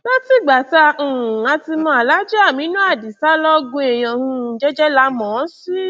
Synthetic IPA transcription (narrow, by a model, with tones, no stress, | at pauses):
na˦ti˧˨ɡ͡ba˨tã˧˨a˧ti˧mɔ̃˧˦a˨la˨˦d͡ʒɛ˦a˦˨mĩ˨˦nũ˦a˦˨di˨sa˦lɔ˦ɡũ˧e˨j̃ɔ̃˧˨hũ˧˨d͡ʒɛ˦d͡ʒɛ˦la˧˦mɔ̃˨˦si˦